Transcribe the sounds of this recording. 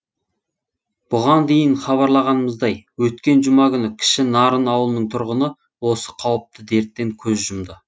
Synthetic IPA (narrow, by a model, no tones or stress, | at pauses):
b̥ʊʁɑnd̪e̞jɪnχɑβɑɾlˠɑʁɑnəməzd̪ɑjwɵt̪kʲe̞nʒʊmɑɡʲʏnɪkʲʰɪ̥ʃɪnɑɾənɑwəlˠənəɴt̪ʰʊɾʁənə | wo̞sə̥qʰɑwəp̚t̪ʰəd̪e̞ɾt̪ːeŋkʲʰɵzʒʊmd̪ə